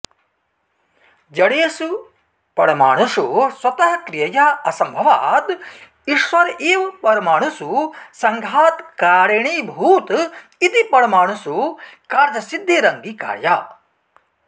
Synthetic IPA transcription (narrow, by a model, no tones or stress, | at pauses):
d͡ʒɐɽeːsu | pɐɽɐmaːɳususwɐt̪ɐɦɐkɾijɐjaɐsɐmbʱɐʋaːt̪ | iʃʋɐɾiːʋɐpɐɾɐmaːɳususɐŋɡʱaːt̪kaːɾeɳibʱuːt̪ | it̪ipɐɽɐmaːɳusukaːɾd͡ʒɐsid̪ʱːeːɾɐŋɡika̰ːɾjaː